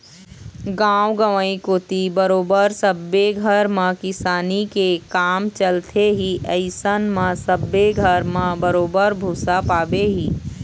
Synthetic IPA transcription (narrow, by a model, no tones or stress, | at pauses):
ɡãːwɡəʋəĩkoːt̪ibəɾoːbəɾsəbːeɡʱəɾmãkɪsaːnikekaːmt͡ʃəlt̪ʰeɦiʔəɪsənmãsəbːeɡʱəɾmãbəɾoːbəɾbʱuːsapaːbeɦiː